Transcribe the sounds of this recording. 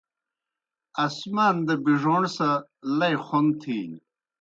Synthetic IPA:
ɐsmaːnd̪ɐbiʐoɳɖsalɐjχont̪ʰiːn

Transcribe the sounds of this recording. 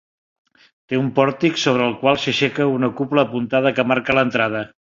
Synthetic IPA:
t̪eumpɔɾt̪iksoβ̞ɾəːlˠkwalˠsəʃekəunəkupləːpunt̪að̞əkəmaɾkələnt̪ɾað̞ə

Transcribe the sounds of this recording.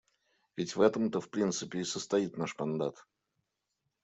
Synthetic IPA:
vʲɪtʲvɛt̪əmt̪əfpɾʲint̪sɨpʲɪːsəst̪ɐit̪naʂmɐnd̪at̪

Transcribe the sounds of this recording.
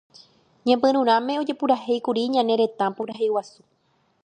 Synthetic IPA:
ɲãmbɨ̃ɾ̃ũɾ̃ãmẽ̞o̞d͡ʒe̞puɾahe̞jkuɾiɲãne̞ɾe̞t̪ãpuɾaɦewasu̥

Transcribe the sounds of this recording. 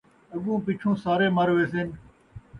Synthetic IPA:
əɠũːpiːt͡ʃʰũːsaːɾeːməɾʋeːseːn

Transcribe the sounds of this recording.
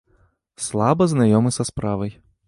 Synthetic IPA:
slˠabɐznajɔmɨsɐspɾavɐj

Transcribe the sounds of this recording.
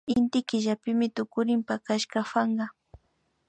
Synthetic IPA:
ɪnt̪ɪkɪʒapɪmɪt̪ʊkʊɾɪmpakaʃkafaɴɢɑ

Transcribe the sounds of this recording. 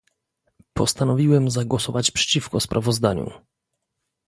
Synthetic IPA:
pɔst̪anɔvʲiwɛmzaɡwɔsɔvat͡ɕpʂɛ̥t͡ɕifkɔspɾʔavɔzd̪aɲṵ

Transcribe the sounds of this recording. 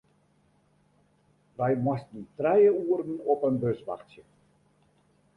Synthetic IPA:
ʋɛjmɔstəntrɛjəuːəɾənɔpənbɵsʋa̰χtjə

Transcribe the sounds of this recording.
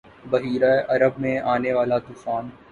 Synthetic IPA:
bɐɦiːɾaʔɐɾəbmẽaːneʋaːlat̪uːfaːn

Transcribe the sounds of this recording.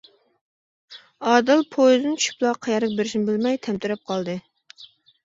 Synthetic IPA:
ɑːd̪ɨlˠpʰojzɨnɪt͡ʃʰy̥ʃy̥plˠɑqʰːɑjɑɾəq̚beɾɪʃnɪbɪlmɛjt̪ʰɛmt̪yɾɛp̚qʰɑlˠd̪ɨ

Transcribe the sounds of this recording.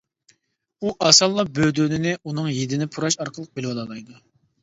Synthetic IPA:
uʔɑsɑlˠːɑbød̪ynɪnɪunɨŋjed̪ɪnɪpʰuɾɑʃɑɾqʰəlˠəq̚belwɑlˠɑlˠɑjd̪u

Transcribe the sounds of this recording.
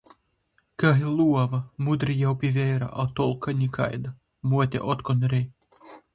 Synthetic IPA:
kaɦilˠuɔvɐmud̪ɾijawpʲivʲɛːɾa̰ʔat̪ɔlˠkʰanʲikʰa̰jd̪a | muɔt̪ʲḛʔɔt̪kɔnɾʲej

